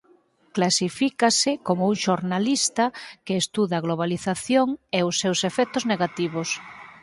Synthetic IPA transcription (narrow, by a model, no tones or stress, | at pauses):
klasifikasɪkomouŋʃoɾnalist̪akeːst̪uðaɣloβaliθaθjoŋeʊsːewsefɛt̪ozneɣat̪iβ̞os